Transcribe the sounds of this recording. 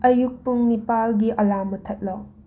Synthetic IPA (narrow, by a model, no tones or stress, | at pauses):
ɐjuk̚puŋnipalɡiʔɐlamɐtʰɐt̚lɔ